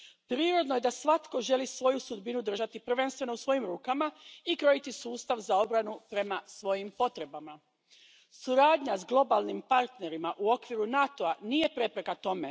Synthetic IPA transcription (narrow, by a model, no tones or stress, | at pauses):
pɾiːɾo̞d̪noje̞d̪asʋat̪ko̞ʒe̞lisʋo̞jusud̪binud̪r̩ʒat̪ipr̩ʋe̞nst̪ʋe̞no̞usʋo̞jimɾuːkamaikɾo̞jit̪isuːst̪aʋzao̞bɾanupɾe̞masʋo̞jimpo̞t̪ɾe̞bama | suɾaːd̪ɲazɡlˠo̞balˠnimpaɾt̪ne̞ɾimaʔuo̞kʋiɾunat̪oanije̞pɾe̞pɾe̞kat̪o̞me̞